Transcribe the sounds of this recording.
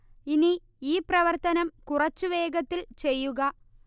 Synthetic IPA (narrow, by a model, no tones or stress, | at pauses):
ini | iːprɐʋɐrt̪ɐnɐmkurɐt͡ɕːuʋe̞ːɡɐt̪ːilt͡ɕe̞jːuɣɐ